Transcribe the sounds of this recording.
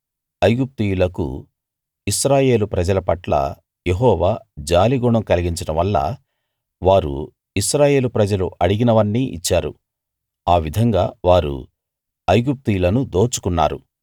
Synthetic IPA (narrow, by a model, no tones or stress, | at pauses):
ɐjɡup̚t̪ijulɐkṵ | iʃɾaːje̞ːlupɾɐd͡ʒɐlɐpɐʈlɐ̰ | jeɦɔːʋaːd͡ʒaːliɡuɳɐmkɐliɡiɲt͡ʃinɐʋɐlːɐ̰ | ʋaːɾṵ | isɾaːje̞ːlupɾɐd͡ʒɐluʔɐɽiɡinɐʋɐɳːiʔḭt͡ʃːaːɾṵ | aːʋid̪ʱɐŋɡaːʋaːɾṵ | ɐjɡup̚t̪ijlɐnud̪o̞ːt͡ʃu̥kunːa̰ːɾṵ